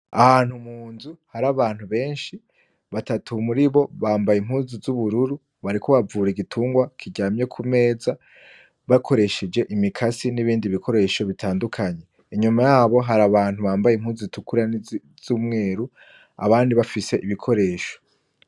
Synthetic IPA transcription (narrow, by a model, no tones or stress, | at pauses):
ahaːn̥humuːnzuhaɾaβaːn̥huβe̞ːnʃi | βatatʰumuɾiβo̞βaːmbajim̥huːzizuβuɾuɾu | βaɾikʰoβavuːɾeɡitʰuːŋɡwakʰiɟaːmje̞kʰume̞ːza | βakʰo̞ɾe̞ʃed͡ʒe̞ʔimikʰasiniβiːndiβikʰo̞ɾe̞ʃo̞βitʰaːndukʰaɲe̞ | iɲumajaːβo̞ɦaɾaβaːn̥huβaːmbajemhuːzitukuɾan | z̥uːmŋe̞ːɾu | a̰βaːndiβafise̞ʔiβikʰo̞ɾe̞ːʃo̥